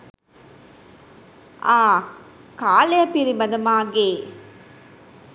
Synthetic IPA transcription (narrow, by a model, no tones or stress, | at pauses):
ʔaː | kaːlɐjɐpiɾimɐd̪ɐmaːɡeː